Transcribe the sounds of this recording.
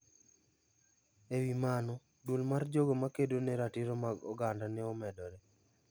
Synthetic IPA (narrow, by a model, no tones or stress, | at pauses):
ewimanɔ | dulmard͡ʒoɡomakedonɛɾatiɾomaɡɔ̰ɡandanɛɔmɛdɔɾɛ